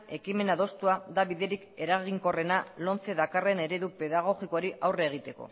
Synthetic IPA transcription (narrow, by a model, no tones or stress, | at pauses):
e̞kime̞naðo̞st̪uad̪aβiðe̞ɾike̞ɾaɣ̞iŋko̞re̞nalo̞nt͡se̞ðakare̞ne̞ɾe̞ðupe̞ðaɣ̞o̞ɣiko̞ɾiʔawre̞ːɣ̞it̪e̞ko̞̰